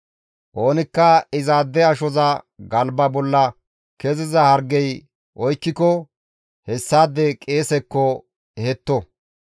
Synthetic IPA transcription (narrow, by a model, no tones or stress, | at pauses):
ʔo̞ːnɪkːɐɪzaːd̪ːɛɐʃɔzɐɡɐlbɐbɔlːɐ | kɛzɪzɐhɐɾɡɛj | ʔɔjkːɪkɔ | hɛsːaːd̪ːɛkʼe̞ːsɛkːɔ | ɛhɛt̪ːɔ